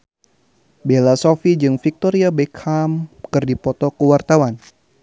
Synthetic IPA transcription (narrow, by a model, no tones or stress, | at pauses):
belasofid͡ʒɨŋfik̚t̪ɔɾiabekʰamkɨrdipɔt̪ɔkəwart̪awan